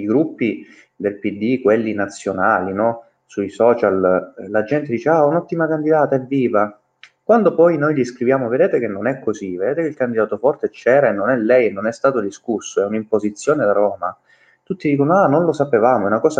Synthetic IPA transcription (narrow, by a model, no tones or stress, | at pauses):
iɡɾupːi | d̪elpid̪ːikwelːinat̪sːjonaːlinɔ | suisɔːt͡ʃallad͡ʒɛnt̪ed̪iːt͡ʃeaunɔt̪ːimakand̪id̪aːt̪aɛvːiːva | kwand̪opɔjnojʎiskɾivjaːmoved̪eːt̪ek̟enːonɛkʰːozived̪eːt̪ekeilkand̪id̪aːt̪ofɔrt̪et͡ʃɛːɾaenːonɛlːɛjenːonɛst̪aːt̪od̪iskusːoɛunimpozit̪sːjoːned̪aɾɔːma | t̪ut̪ːid̪iːkonoanonlosapevaːmoɛunakɔːza